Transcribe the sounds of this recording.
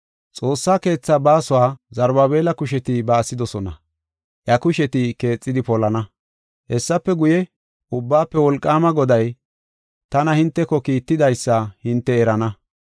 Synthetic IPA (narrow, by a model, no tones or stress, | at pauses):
t͡sʼo̞ːsːaːke̞ːt͡sːabaːsʊwaːzɐɾbabe̞ːlɐkʊʃ̬ɛt̪ɪbɐːsːɪd̪ɔsɔnɐ̰ | ʔjɐkʊʃɛt̪ɪke̞ːt͡sʼːɪd̪ɪpɔlɐnɐ | hɛsːɐpːɛɡʊjɛ | ʔʊbːaːpːɛwɔlkʼːaːmɐɡɔd̪ɐj | t̪ɐnɐhɪnt̪ːɛkɔkiːt̪ːɪd̪ɐjsːɐhɪnt̪ːɛɛɾɐnɐ